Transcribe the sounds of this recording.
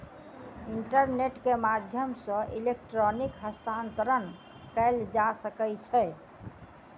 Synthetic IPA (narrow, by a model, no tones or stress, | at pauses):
iɳʈəɾneʈkemad̪ʱjəmsə̃ʔilek̚ʈɾɔnikɦəst̪ʰant̪əɾən | kɛld͡ʒasəkɛt͡ʃʰɛ